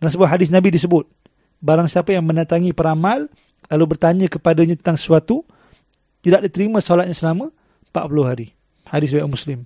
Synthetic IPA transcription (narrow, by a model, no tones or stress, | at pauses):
dalaŋsəbaʔɦadɪs̬nabidis̬əbʊt̪̚ | baɾaŋsiapajaŋmə̃nət̪aŋĩpəɾamal | lalubərt̪aɲə̃kəpadaɲãt̪ənt̪aŋsə̥suat̪u | t̪idaʔ̚dit̪əɾimə̃solat̪̚ɲasəlamə̃ | pa̰ʔpulʊhɦaɾi | hadɪs̬ʔmuslɪm